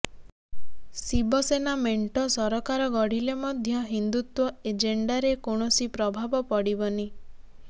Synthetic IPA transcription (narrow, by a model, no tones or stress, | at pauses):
sibɔsenameɳʈɔsɔɾɔkaɾɔɡɔɽ̤ilemɔd̪ʱjɔɦind̪ut̪wɔed͡ʒeɳɖaɾekoɳ̃ɔsipɾɔbʱabɔpɔɽibɔni